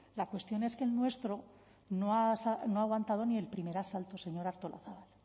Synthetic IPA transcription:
lakwe̞st̪jo̞ne̞ske̞ːlnwe̞st̪ɾo̞ | noasano̞aːɣ̞want̪að̞o̞nie̞lpɾime̞ɾasalt̪o̞se̞ɲo̞ɾaɾt̪olʔa̰θaβal

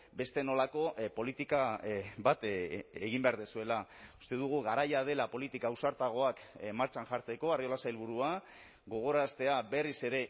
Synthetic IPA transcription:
be̞st̪e̞no̞lako̞po̞lit̪ikaβat̪eɣimbeaɾðesue̞lau̥st̪e̞ðuɣ̞uɣaɾajað̞e̞lapo̞lit̪ikausaɾt̪aɣ̞o̞akmaɾt͡ʃanʝaɾt͡se̞ko̞ario̞lasajlβ̞uɾua | ɡo̞ɣ̞o̞ɾast̪e̞abe̞rise̞ɾe̞

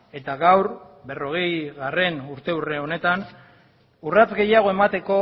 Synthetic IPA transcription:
e̞t̪aɣawɾ | be̞ro̞ɣ̞e̞jɣare̞nuɾt̪e̞ure̞o̞ne̞t̪an | urat͡sɡe̞jaɣ̞o̞e̞mat̪e̞ko̞

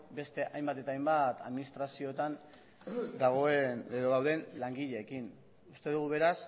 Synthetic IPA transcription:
be̞st̪e̞ʔajmbat̪e̞t̪aːjmbat̪aðminist̪ɾasio̞t̪an | d̪aɣoeneðoðawðe̞nlaŋɡiʎe̞ːkin | ust̪e̞ðuɣ̞uβe̞ɾas

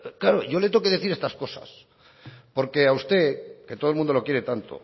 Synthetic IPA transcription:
klaɾo̰ʝo̞le̞t̪o̞keðe̞θiɾe̞st̪asko̞sa̰s | po̞ɾke̞aust̪e̞ke̞t̪oðlmũnd̪o̞lo̞kje̞ɾe̞t̪ant̪o̞̰

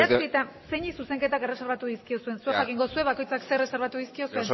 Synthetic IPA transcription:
at̪ukit̪anseɲisuse̞ŋke̞t̪akere̞seɾβat̪uðiskio̞sue̞nsuexakiŋɡo̞sue̞βako̞jt͡saksereseɾβat̪uðiskio̞sue̞n

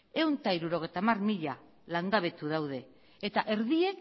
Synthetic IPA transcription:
e̞wnt̪aiɾuɾo̞ɣ̞e̞jt̪amarmiʎa | laŋɡaβ̞e̞t̪uðawð̞e̞ | et̪aʔe̞ɾðie̞k

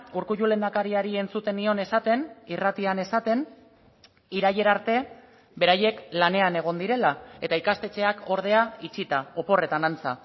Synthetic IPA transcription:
uɾkuʝule̞nd̪akaɾiaɾie̞nt͡sut̪e̞nio̞ne̞sat̪e̞nirat̪iane̞sat̪e̞n | iɾaje̞ɾaɾt̪e̞ | be̞ɾaje̞klane̞ane̞ɣ̞o̞nd̪iɾe̞lae̞t̪aikast̪e̞t͡ʃe̞akʰo̞ɾð̞e̞ait͡ʃit̪ao̞po̞re̞t̪anant͡sa̰

